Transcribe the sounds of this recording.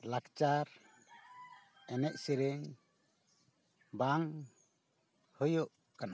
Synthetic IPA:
lakt͡ʃaɾ | ɛnɛʔ̚siɾɛŋ | baŋ | hɔjɔʔ | kana

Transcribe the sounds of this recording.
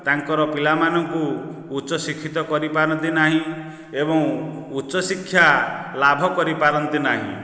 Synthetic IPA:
t̪aŋkɔɾɔpilamanɔŋkuːt͡ʃɔsikʰːit̪ɔkɔɾipaɾɔnt̪inaɦĩ | ebɔŋut͡ʃɔsikʰːjalabʱɔkɔɾipaɾɔnt̪inaɦḭ̃

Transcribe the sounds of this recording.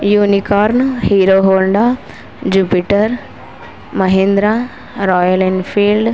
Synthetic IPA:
junikɔːɾnhiɾoɦoːɳɖa | d͡ʑupiʈəɾ | məɦend̪ɾa | ɾɔjəlenfʰiːlɖ

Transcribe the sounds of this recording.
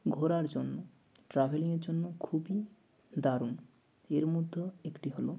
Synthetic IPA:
ɡʱoɾaɾd͡ʒonːmo | ʈɾabʱeliŋeɾd͡ʒonːokʰubi | d̪aɾun | eɾmud̪ʱːɔekʈiɦolo

